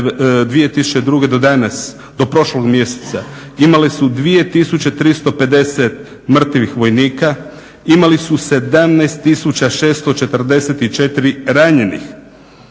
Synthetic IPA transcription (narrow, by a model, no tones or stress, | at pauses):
d̪ʋije̞t̪isut͡ɕed̪ɾuɡe̞d̪o̞d̪anas | d̪o̞pɾo̞ʃloɡmje̞se̥t̪sa | imalesud̪ʋije̞t̪isut͡ɕe̞t̪ɾist̪o̞pe̞d̪e̞set̪̚ | mr̩t̪iʋixʋo̞jniːka | imalisuse̞d̪amnast̪ːisut͡ɕaʃe̞ːst̪o̞t͡ʃe̞t̪r̩d̪e̞set̪it͡ʃe̞t̪iɾiɾaɲe̞nḭx